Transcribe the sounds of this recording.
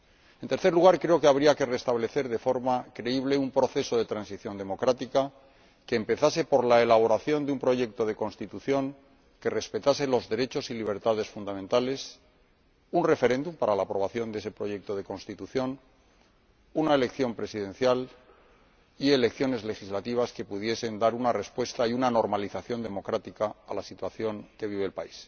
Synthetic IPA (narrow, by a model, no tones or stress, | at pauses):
e̞nt̪eɾθe̞ɾluɣ̞aɾkɾe̞o̞keaβɾiake̞re̞st̪aβle̞θe̞ɾðe̞fo̞ɾmakɾe̞iβ̞leumpɾo̞θe̞so̞ðe̞t̪ɾansiθjo̞nd̪e̞mo̞kɾat̪ika | keːmpe̞θase̞po̞ɾlae̞laβ̞o̞ɾaθjo̞nd̪eumpɾo̞ʝe̞k̚t̪o̞ð̞e̞ko̞nst̪it̪uθjo̞ŋ | ke̞re̞spe̞t̪ase̞lo̞zðe̞ɾe̞t͡ʃo̞siliβ̞e̞ɾt̪aðe̞sfund̪amẽnt̪ale̞s | unre̞fe̞ɾẽ̞nd̪umpaɾalaːpɾo̞β̞aθjo̞nd̪e̞se̞pɾo̞ʝe̞k̚t̪o̞ðe̞ko̞nst̪it̪uθjo̞n | unaele̞kθjo̞mpɾe̞siðẽ̞n̟θjal | ie̞le̞kθjo̞ne̞zle̞xizlat̪iβ̞aske̞puð̞je̞se̞nd̪aɾunare̞spwe̞st̪aiunano̞ɾmaliθaθjo̞nd̪e̞mo̞kɾat̪ikaːlasit̪waθjo̞ŋke̞β̞iβ̞e̞ːlpais